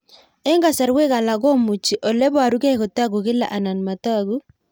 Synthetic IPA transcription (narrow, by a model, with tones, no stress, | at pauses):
ɛ˦ŋɡa˨sa˨ɾwe˦ka˨la˨ɡo˦mu˨t͡ʃi˨ʔɔ˨lɛ˦bwa˨ɾu˦kɛ˦kɔ˨ta˦ɡu˨kɪ˦la̰˨ʔa˨na˨nma˨ta˦˨ɡu˦